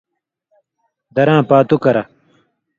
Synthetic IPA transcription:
d̪ɐɾãːpaːt̪ukɐɾɐ

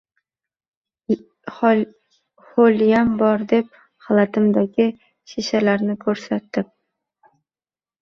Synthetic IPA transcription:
χoljambɒɾd̪e̞p̚ | halˠat̪ʰɪmd̪aɡʲɪ | ʃeʃalaɾnɪkʰɵɾsat̪ːɪp̚

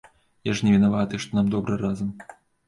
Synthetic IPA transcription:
jaʂnʲɛvʲinavat̪ɨʂt̪ɔnamd̪ɔbɾɨɾazɐm

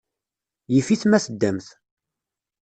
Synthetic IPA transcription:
jəfiθmæθəd̪ːæmθ

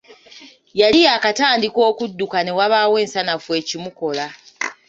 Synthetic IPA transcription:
jalijakataːndiko̞ːkudːukane̞waβaːwe̞ːnsanafuwe̞ːcimuko̞la

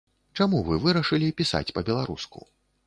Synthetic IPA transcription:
t͡ʂamuvɨvɨɾɐʂɨlʲipʲisa̰t͡sʲpɐbʲɛlˠaɾuskṵ

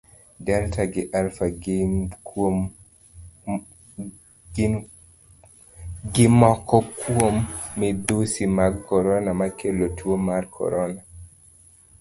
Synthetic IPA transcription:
dɛltaɡɪʔalfaɡɪk | ɡɪmɔkɔkwomːɛd̪osimaɡkɔɾɔnamakelotʰwomarkʰɔ̰ɾɔna

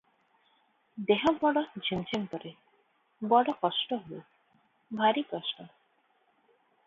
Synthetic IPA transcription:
d̪eɦɔbɔɽɔd͡ʒʱent͡ʃʰempɔɾe | bɔɽɔkɔsʈɔɦo | bʱaɾikɔsʈɔ

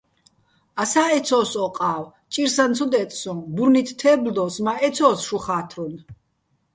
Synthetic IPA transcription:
asaɛt̪sʰɔːsɔqʼaːw | t͡ʃʼiɾsant̪t͡sʰud̪ɛt̪ʰsɔmbuɾnit̪ʰt̪ʰːɛːbld̪ɔsmaɛt̪t͡sʰɔːsʃuχaːt̪ʰɾun

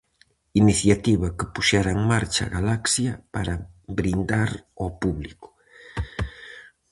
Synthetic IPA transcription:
iniθjat̪iβɐkɪpuʃaɾaeŋmaɾt͡ʃaɣalaksjɐpaɾɐβɾind̪aɾɔpuβlikʊ̥

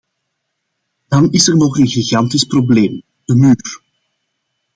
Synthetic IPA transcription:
d̥ɑnɪsərnɔχənɣiɣɑntisprobleːm | d̥əmyːr

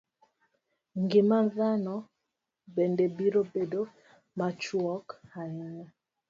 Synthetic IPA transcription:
ŋɡimanðanɔ | bɛndebiɾobedo | mat͡ʃuɔkhaɛɲɛ

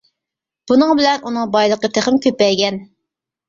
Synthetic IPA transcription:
b̥unɨŋbɪlɛnʔunɨŋbɑjlˠəqət̪ʰeχɪmkʲʰøpɛjɡʲɛn

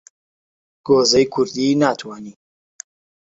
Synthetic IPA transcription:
ɡ̥oːzɐjkʰʊɾd̪iːnaːt̪ʰwaːniː

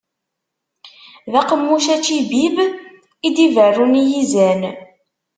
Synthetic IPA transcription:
ðæqəmːuʃæt͡ʃːibib | id̪ivərːunijizæn

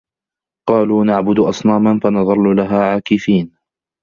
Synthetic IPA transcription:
qɑːluːnaʕbʊd̪ʔɑsˤnaːmanfanɑðˤɑlːʊlaɦaːʕaːkɪfiːn

